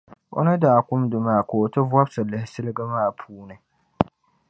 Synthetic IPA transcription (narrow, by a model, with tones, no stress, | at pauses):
o̰˦na˦daː˨kʷʊ˦mdʊ˨maː˦˨koː˨ta˦vwa˦bsɨ˨lɨ˨˦hɪ˦sɨ˦lɨ˦ɡa˦maː˦˨pʰuː˦nɨ˦